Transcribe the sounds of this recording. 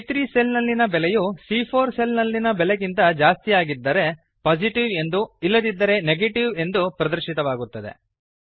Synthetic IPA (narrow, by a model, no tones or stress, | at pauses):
t̪ɾiːse̞lnɐlːinɐbɛlejusiːpʰoːɾse̞lnɐlːinɐbɛleɡint̪ɐd͡ʒaːst̪ijaːɡid̪ːɐɾe̞ | paːsiʈiʋe̞nd̪uilːɐd̪id̪ːɐɾe̞neɡeʈiʋe̞nd̪upɾɐd̪ɐɾʃit̪ɐʋaːɡut̪ːɐd̪e̞̰